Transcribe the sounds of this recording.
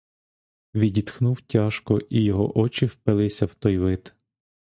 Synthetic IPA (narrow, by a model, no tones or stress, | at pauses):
ʋʲidʲid̪xnuwtʲaʃkɔʔijɔɦɔ̰ʔɔt͡ʃɪwpɪlˠɪsʲɐwt̪ɔjʋɪt̪